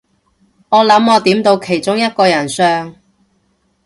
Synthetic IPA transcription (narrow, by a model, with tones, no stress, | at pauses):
ŋɔː˨˧lɐ˨˥mɔː˨˧t̪iː˨˥mt̪o˧wkʰe˨˩jt͡sʊ˥ŋjɐ˥t̚kɔː˧jɐ˨˩nsœː˧ŋ